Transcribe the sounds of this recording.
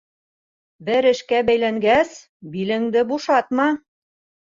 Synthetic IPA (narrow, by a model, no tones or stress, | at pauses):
bɘɾɘ̆ʃkæbæjlæŋɡæs | bilɘ̆ŋd̪ɘbuʃɑt̪mɑ